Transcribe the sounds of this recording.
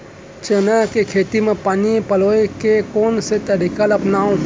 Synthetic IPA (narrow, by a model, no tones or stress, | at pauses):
t͡ʃənakekʰeːt̪imẽpaːnipəloːekekoːnset̪əɾikaləpnaːõ